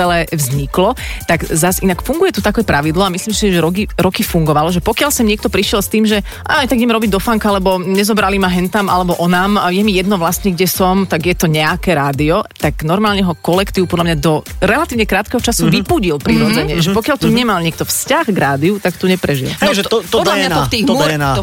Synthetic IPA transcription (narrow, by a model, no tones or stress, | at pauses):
ɛlɛʋzɲiklɔt̪aɡzasinakfuŋɡujɛt̪ut̪akɛpɾaʋid̪lɔamislimsiʒɛɾɔiɾɔkifuŋɡɔʋalɔʒɛpɔkjalsɛmɲɪɛkt̪ɔpɾiʃɪɛlst̪iːmʒɛ | ʔa̰jt̪aɡɲɛmɾɔbiɟd̪ɔfaŋkaalɛbɔɲɛzɔbɾalimaɦɛnt̪amʔa̰lɛbɔʔɔnaːmjɛmijɛd̪nɔʋlast̪ɲɛɡɟɛsɔmt̪aɡjɛt̪ɔɲɛakɛɾaːd̪iɔt̪aɡnɔɾmaːlɲɛɦɔkɔlɛkt̪iːʊpɔd̪lamɲad̪ɔɾɛlat̪iːʊɲɛkɾaːt̪̚kɛɦɔt͡ʃasuʋipuɟilpɾiɾɔd͡zɛɲɛʒɛpɔkɪjalt̪uɲɛmalɲɛk̚t̪ɔfscaxɡɾaːd̪iut̪akt̪uɲɛpɾɛʒḭlʒɔd̪aɲat̪t̪i